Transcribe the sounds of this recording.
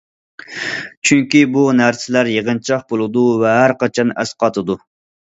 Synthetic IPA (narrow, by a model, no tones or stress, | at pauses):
t͡ʃʰyŋkʲibunæɾsɪlæɾjeʁənt͡ʃʰɑχ̚bolˠɨd̪uvɛɦæɾqɑt͡ʃʰɑnɛ̰sqɑt̪ʰɨd̪u